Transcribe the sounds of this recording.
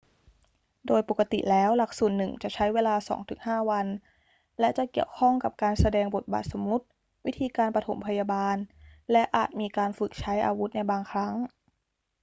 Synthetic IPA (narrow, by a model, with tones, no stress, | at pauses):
doː˧jpo˨˩kːa˧t̪ḭ˨˩lɛː˦˥wla˧˩k̚su˨˩ənːɯ˨˩ŋt͡ɕa˨˩ʔt͡ɕʰa˦˥jweː˧laː˧sɔ̰ː˩˦ŋt̪ʰɯ˩˦ŋɦaː˥˩wa˧n | lɛ˦˥ʔt͡ɕa˨˩ki˨˩əwkʰɔ˥˩ŋka˨˩p̚kaː˧nsa˧dɛː˧ŋbo˨˩t̪̚ba̰ː˨˩t̪̚so˩˦mu˦˥t̪̚ | wi˦˥t̪ʰiː˧kaː˧npa˧t̪ʰo̰˩˦mpʰa˧jaː˧baː˧nlɛ˦˥ʔaː˨˩t̪̚miː˧kaː˧nfɯ˨˩k̚t͡ɕʰa˦˥jʔa̰ː˧wu˦˥t̪̚na˧jbaː˧ŋkʰɾa˦˥ŋ